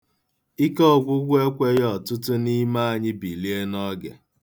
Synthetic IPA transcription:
i˦kɔ˦˨ɡʷʊ˦ɡʷe˦kʷe˦jɔ˨tʊ˦tʊ˦ni˦ma˦a˨ɲɪ˦bi˨li˦e˦nɔ˦ɡḛ˨

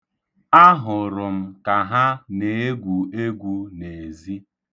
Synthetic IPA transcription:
a˦ɦʊ˨ɾʊ˨m̩˦ka˨ɦa˦ne˨e˦ɡʷu˨e˦ɡʷu˦ne˨e˨zi˦

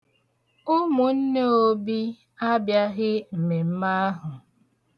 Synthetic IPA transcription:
ʊ˦mu˨n̩˦ne˦o˦bi˦ | a˦bja˦ɣɪ˦m̩˨me˨m̩˦ma˦ɦʊ˨

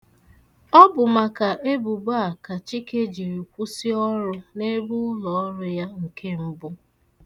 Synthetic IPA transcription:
ɔ˦bʊ˨ma˨ka˨ʔe˦bu˨ba˨ka˨t͡ʃi˦ke˦d͡ʒi˨ɾi˨kʷu˦si˦ɔ˦ɾʊ˦ne˦bu˦ʊ˦lɔ˨˦ɾʊ˦ja˦ŋ̩˨kʰe˦m̩˦bʊ˦

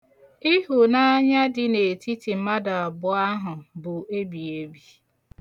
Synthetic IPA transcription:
i˦ɦu˨na˦ɲa˦dɪ˨ne˨ti˦ti˨m̩˦ma˦da˨a˨bʊ˨a˦ɦʊ˨bʊ˨e˦bi˨e˦bi˦

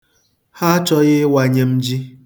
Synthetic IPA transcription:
ha˦t͡ʃɔ˦ɣɪ˦wa˨ɲe˦m̩˦d͡ʒi˦

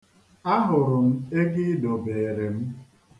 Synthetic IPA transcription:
a˦ɦʊ˨ɾʊ˨m̩˦e˦ɡɪ˦do˨be˨ɾe˨m̩˦

